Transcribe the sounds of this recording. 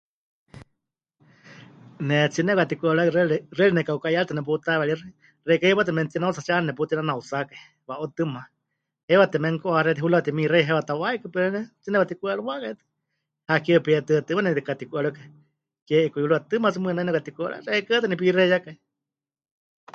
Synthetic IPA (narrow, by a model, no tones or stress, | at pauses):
nɛt͡sinɛkat̪ikʷuaɺarɛrɛlinɛkaukaialt̪ɨnɛp̬ut̪aβɛɺir | rɛkaiβat̪ɛmɛnt̪inaut͡sat͡ʃannɛput̪inanaut͡sakai | waʔot̪ɨma | hɛwat̪ɛmɛŋkoʔaɾɛt̪iɦulaat̪imireɦewat̪awaikɨpɛɾɛnɛt͡sinɛkat̪ikuaɺuwakait̪ɨ̥ | hakiəpiɛt̪ɨat̪ɨmanɛt̪ikat̪ikʷuaɺukai | kɛʔikujuɺuat̪ɨmat͡sɨmɨnainɛkat̪ikʷaɺa̰rɛkət̪ɨnɛp̬irɛjakai